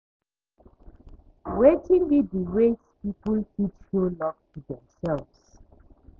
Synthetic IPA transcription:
wetĩnlidiɹespipəlkiʃolɔv̚tudɛ̃msɛlvs

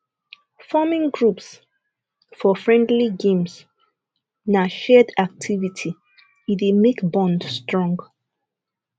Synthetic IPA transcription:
famĩŋɡɹups | fɔfɹɛ̃ndliɡẽms | naʃɛdak̚tʰivitʰi | idemekbɔ̃ndstɹɔ̃ŋɡ

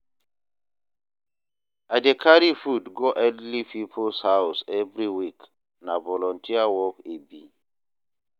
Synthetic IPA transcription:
adekʰaɾifudɡoʔɛdlipipʰolshawsɛvɾiwik | navɔlɔ̃ntʰiawɔkebi

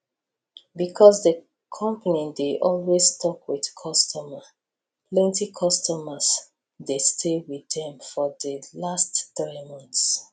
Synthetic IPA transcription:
bikʰɔsdə | kʰɔ̃mpənĩdeʔɔlwestʰɔkwið̥kʰɔstʰɔmə | lɛ̃ntikʰɔstɔməs | destʰewiðɛ̃mfɔðəlastθɹimɔ̃nθs

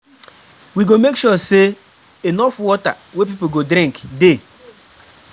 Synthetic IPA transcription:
wiɡomekʃuse | enɔfwɔta̰wepip̬oɡodɾĩŋkde

